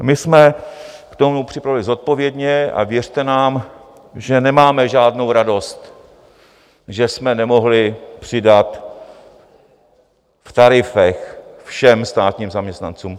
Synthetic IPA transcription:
mɪsmɛkt̪o̞mupr̥ɪpɾavɪlɪzo̞t̪̚po̞vjɛdɲɛa̰vjɛr̝̥t̪ɛnaːm | ʒɛnɛmaːmɛʒaːdno̞wɾado̞st̪ | ʒɛsmɛnɛmo̞ɦlɪpr̥ɪdat̪ | ft̪aɾɪfɛxfʃɛmst̪aːt̪ɲiːmzamɲɛst̪na̰nt͡suːm

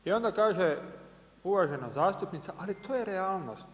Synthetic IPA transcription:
io̞nd̪akaːʒe | uʋaʒenazaːst̪upnit̪saʔalit̪ʰoːjeɾeaːlˠnost̪

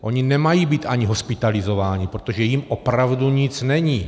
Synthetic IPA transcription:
ʔoɲinɛmajiːbiːt̪ʔaɲiɦospɪt̪alizovaːɲipɾot̪oʒɛjimʔopɾavduɲit͡snɛɲiː

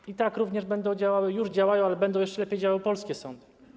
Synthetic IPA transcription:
it̪akɾuvɲɛʐbɛnd̪ɔ̃w̃d͡ʑawawɘjuʐd͡ʑawajɔ̃w̃alɛbɛnd̪ɔ̃w̃jɛʂt͡ʂɛlɛpʲjejd͡ʑawawɘpɔlskʲɛsɔnd̪ɨ̥

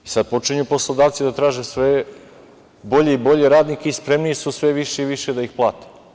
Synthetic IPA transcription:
isad̪̚po̞t͡ʃiɲupo̞slˠod̪aːʋt̪sid̪at̪ɾaːʒesʋe | bo̞ʎeibo̞ʎeɾaːd̪nikeispɾemniisusʋeʋiʃeiʋiʃe̞d̪aixplˠa̰ːt̪e̥

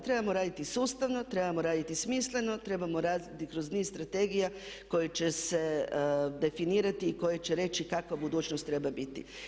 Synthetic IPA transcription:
t̪ɾe̞bamo̞ɾaːd̪it̪isuːst̪aʋno̞t̪ɾe̞bamoɾaːd̪it̪ismiːsle̞no̞t̪ɾe̞bamoɾaːd̪it̪ikɾoznizst̪ɾat̪e̞ɡijako̞jet͡ʃese̞d̪e̞finiːɾat̪iːko̞jet͡ʃeɾe̞t͡ʃikakʋabud̪uːt͡ʃnost̪ːɾe̞babit̪ḭ

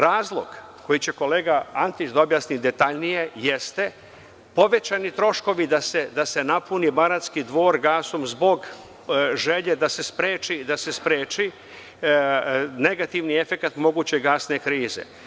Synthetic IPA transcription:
ɾaːzlˠo̞̰ɡ̥ko̞jit͡ɕe̞ko̞leːɡaant̪it͡ʃd̪aobjaːsnid̪e̞t̪aʎnije̞jest̪e̞ | po̞ʋe̞t͡ɕanit̪ɾo̞ʃko̞ʋid̪ase̞d̪ase̞napunibaɾat̪skid̪ʋo̞ːɾɡaːsomzbo̞ɡ | ʒe̞ʎe̞d̪ase̞spɾeːt͡ʃid̪ase̞spɾeːt͡ʃi | ne̞ɡat̪iʋnie̞fe̞kat̪mo̞ɡuːt͡ɕe̞ɡaːsne̞kɾiːzḛ

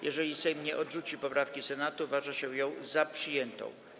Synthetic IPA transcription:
jʔɛʐɛlʲisɛjmɲɛʔɔdʐut͡ɕipɔpɾafkʲisɛnat̪uvaʐaɕɛjɔ̃w̃zapʂɘjɛnt̪ɔ̰̃w̃

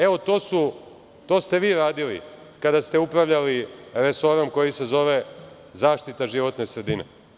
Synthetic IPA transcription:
e̞ʋo̞t̪o̞ːsu | t̪o̞ːst̪e̞ʋiːɾaːd̪ilḭ | kad̪ast̪e̞upɾaʋʎaliɾe̞so̞ɾomko̞jise̞zo̞ʋe̞ | zaːʃt̪it̪aʒiʋo̞t̪ne̞sɾe̞d̪inḛ

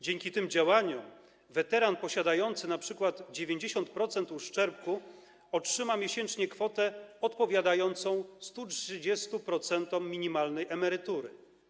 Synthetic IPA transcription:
d͡ʑeŋkʲit̪ɘmd͡ʑawaɲɔ | vɛt̪ɛɾanpɔɕad̪ajɔnt̪sɘnapʂɘkwad̪d͡ʑevʲjeɲd͡ʑeɕɔnt̪̚pɾɔt̪sɛnt̪uʂt͡ʂɛɾp̚ku | ɔtʂɘmamʲjeɕɛnt͡ʂɲɛkfɔt̪ɛɔt̪pɔvʲjad̪ajɔnt̪sɔ̃w̃st̪ut͡ʂʂɘd͡ʑɛst̪upɾɔt̪sɛnt̪ɔmːʲiɲimalnɛjɛmɛɾɘt̪uɾɘ

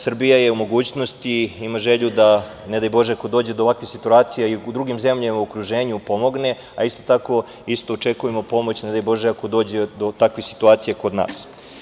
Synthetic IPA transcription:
sr̩bijaje̞umo̞ɡuːt͡ɕnost̪iimaʒe̞ʎud̪a | ne̞d̪ajbo̞ʒeako̞d̪o̞ːd͡ʑed̪oʋakʋixsit̪uaːt̪sijaiud̪ɾuɡimze̞mʎamauokɾuʒe̞ːɲupo̞mo̞ɡne̞ | aist̪o̞t̪ako̞ | ist̪oːt͡ʃe̞kujemo̞po̞mo̞t͡ɕned̪ajbo̞ʒeako̞d̪o̞ːd͡ʑe̞d̪o̞t̪akʋixsi̥t̪uaːt̪sijako̞d̪na̰ːs

